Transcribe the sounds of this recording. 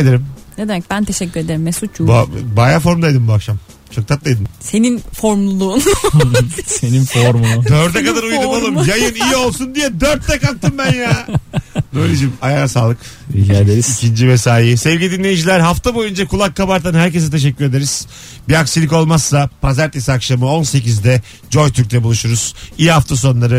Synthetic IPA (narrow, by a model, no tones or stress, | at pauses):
d̪eɾimned̪emɛc̚bænt̪ʰeʃɛcʲːyɾed̪e̞ɾimesut͡ʃbbajafo̞ɾmd̪ajd̪ɯmbuakʃam | t͡ʃʰo̞k̚t̪ʰat̪̚d̪ajd̪ɯmse̞ninfoɾmlˠulˠuːn | seninfoɾmunud̪øɾt̪ɛkad̪aɾuj̪amalˠɯmjajɯniijio̞lˠsund̪ijɛd̪øɾt̪ʰːɛkak̚t̪ʰːɯmbænjaːnelʲid͡ʒimajasaːlˠɯk | iiicʰind͡ʒivɛsaːjsɛvɟilʲid̪inʲe̞jid͡ʒilʲæɾɦaft̪ʰabo̞jynd͡ʒakʰulˠakːabaɾt̪ʰanhæɾce̞s̬ɛt̪ʰe̞ʃ̬ɛcːyɾe̞d̪e̞ɾiz̥ | biaksilʲiko̞lˠmasːapʰazæɾt̪ʰesiakʃamɯo̞nse̞c̬izd̪ɛ | d͡ʒo̞jt̪ʰyɾc̚t̪ʰɛbulˠuʃuɾuz̥ijhaft̪ʰas̬o̞nlˠaɾɯ